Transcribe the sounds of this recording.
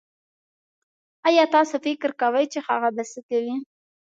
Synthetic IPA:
ajɑt̪ɑsofɪkɪɾkawəjt͡ʃexa̰ɣad̪asəkawi

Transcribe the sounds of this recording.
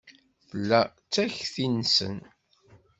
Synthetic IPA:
θəlːæ | t͡sːæçθinsə̰n

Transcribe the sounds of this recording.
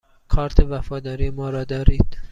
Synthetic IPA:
kʰɒːɾt̪ʰevæfɒːd̪ɒːɾiːemɒːɾɒːd̪ɒːɾiːd̪̥

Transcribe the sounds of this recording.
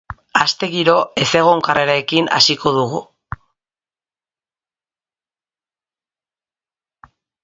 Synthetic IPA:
ast̪e̞ɣiɾo̞e̞se̞ɣ̞o̞ŋkareɾaekina̰sikʰo̞ðuɣṵ

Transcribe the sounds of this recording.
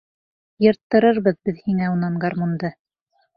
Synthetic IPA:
jɤ̆ɾt̪ːɤ̆ɾɤɾβɤðbɘðhiŋæunɑɴɡɑɾmund̪ɤ

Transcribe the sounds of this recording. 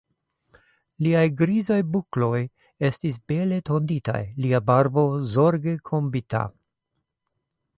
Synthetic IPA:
liajɡɾizajbuklo̞j | e̞stisbe̞le̞tʰo̞ndita̰jliabaɾbo̞zo̞ɾɡe̞kʰo̞mbita̰

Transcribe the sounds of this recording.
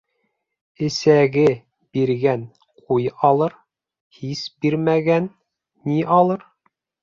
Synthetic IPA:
ɘ̆sæɡɘ | b̥iɾɡæn | qʰujɑlˠɤɾ | hisbiɾmæɡænː | iʔɑlˠɤɾ

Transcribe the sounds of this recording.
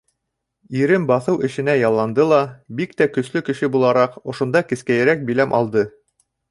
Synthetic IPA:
iɾɘmbɑθɤwɘ̆ʃɘ̆næjɑlˠːɑnd̪ɤlˠɑbikt̪ækɵ̆slɵkɘ̆ʃɘbulˠɑɾɑqŏʃŏnd̪ɑkɘ̆skæjɘ̆ɾæk̚bilæmʔɑlˠd̪ɤ

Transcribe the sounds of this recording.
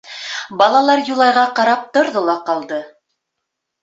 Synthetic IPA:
bɑlˠɑlˠɑɾjulˠɑjʁɑqɑɾɑp̚t̪ŏɾðolˠɑqɑlˠd̪ɤ

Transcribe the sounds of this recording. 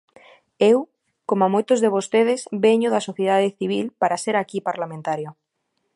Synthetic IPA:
ew | komamojt̪ozðeβ̞ost̪eð̞ɪsβeɲoðasoθjeðaðeθiβ̞ilpaɾaseɾakipaɾlamẽnt̪aɾjo

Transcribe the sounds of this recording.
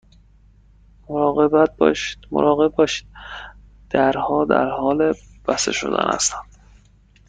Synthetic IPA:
moɾɒːɣe̞bæt̪̚bɒ̰ːʃi̥d̪̥mo̰ɾɒːɣe̞bbɒːʃi̥d̪̥̚ | d̪̥æɾhɒːd̪æ̰ɾhɒːle | b̥æst̪ḛʃo̰d̪æ̰nhæ̰st̪ænd̪̥

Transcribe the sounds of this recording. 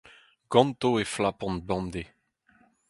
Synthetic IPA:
ɡ̥ɑ̃nt̪oeflapɔ̃nbɑ̃md̪e

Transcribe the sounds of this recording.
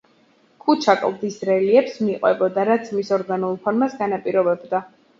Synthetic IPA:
kʼut͡ʃʰakʼlˠd̪isɾɛliɛpsmiqʼwɛbɔd̪aɾat̪sʰmisɔɾɡanulˠpʰɔɾmasɡanapʼiɾɔbɛbd̪a

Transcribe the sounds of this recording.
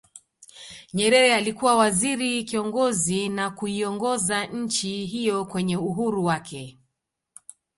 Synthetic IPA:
ɲɛɾɛɾɛalikuwawaziɾikiɔŋɡɔzinakuiɔŋɡɔzaɲ̩t͡ʃiɦijɔkwɛɲɛuɦuɾuwakʰɛ

